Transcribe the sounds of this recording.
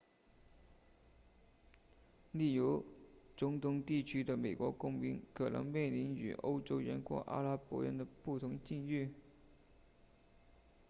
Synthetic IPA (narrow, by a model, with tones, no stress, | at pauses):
li˥˩jo˧˥ʊʈ͡ʂʊ˧˥ŋt̪ʊ˧˥ŋt̪i˥˩t͡ɕʰy˥d̪ə˨me˨˩ɪkwɔ˧˥kʊ˥ŋmi˧˥nkʰɤ˨˩nɤ̰˧˥ŋmjɛ˥˩ɪli˧˥ny̰˨˩ʔo̰˧˥ʊʈ͡ʂo˥ʊɥɛ˧˥nkwɔ̰˧˥ʔa̰˥la˥pwɔ̰˧˥ɻə̰˥˩nd̪ə˨pu˥˩t̪ʰʊ˧˥ŋt͡ɕi˥˧ŋy˥˩